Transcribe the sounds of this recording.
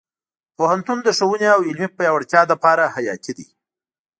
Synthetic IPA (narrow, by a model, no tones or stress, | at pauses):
pohant̪und̪əʂəwuneawɪlmipajɑwaɽt͡ʃ̪jɑd̪əpɑɾahajɑk̪id̪ḭ